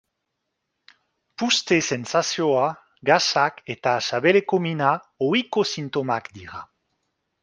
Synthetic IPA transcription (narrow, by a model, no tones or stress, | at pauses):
pust̪esensasjoa | ɡasaket̪asaβelekomina | oikosint̪omakd̪iʁa̰